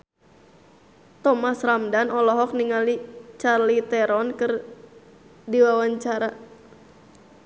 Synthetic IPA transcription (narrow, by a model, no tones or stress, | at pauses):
t̪ɔmasramdanɔlɔɦɔk̚niŋalit͡ʃarlit̪ɛɾɔnkɨr | diwawaɲt͡ʃaɾa